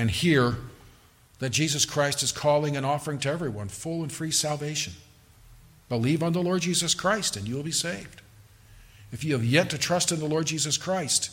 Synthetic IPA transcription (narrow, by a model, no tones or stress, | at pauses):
ɨ̃nhiɹ | ðɨt̚d̥ʒ̥izɨskʰɹ̥aɪstɨz̥kʰɔlˠɪ̃ŋɨ̃nɔfə˞ɪ̃ŋtʰɨɛvɹiwʌ̃nfʊlˠə̃nfɹisælˠveɪʃɨ̃n | b̥əliṽn̩ðəlɔɹd̚d͡ʒizɨskʰɹ̥aɪstɨ̃njɨwəlˠbiseɪvd̥ | ɨfjɨɨvjɛtʰɨtʰɹ̥ʌstɨ̃nðəlɔɹd̚d͡ʒizɨskʰɹ̥aɪst